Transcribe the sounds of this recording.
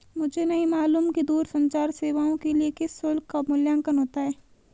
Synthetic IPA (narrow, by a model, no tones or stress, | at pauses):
mʊd͡ʒʱenɐɦĩmaːluːmkid̪uːɾsɐ̃ɲt͡ʃaːɾseːʋaːõkeliekɪsːʊlkːamʊljãːŋkənɦoːt̪aɦɛː